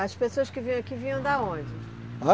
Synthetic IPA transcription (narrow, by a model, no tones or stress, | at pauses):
ɐʃpesoɐʃkɪviɐ̃w̃ɐkivijɐ̃w̃d̪aõnd͡ʒɪ | a